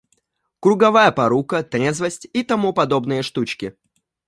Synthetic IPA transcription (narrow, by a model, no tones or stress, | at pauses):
kɾʊɡɐvajəpɐɾukət̪ɾʲezvəsʲtʲit̪ɐmupɐd̪o̞bnɨjəʂt̪ut͡ɕkʲɪ